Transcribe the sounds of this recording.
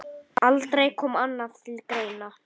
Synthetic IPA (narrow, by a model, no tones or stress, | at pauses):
alt̪ɾejkʰɔːmanːaðt̪ʰɪlkɾeːjna